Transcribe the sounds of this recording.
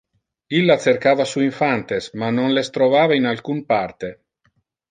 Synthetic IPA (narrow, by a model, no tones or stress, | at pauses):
ilːat̪serkaːvasuiɱfant̪esmanonlest̪ɾovaːvainalkunpart̪e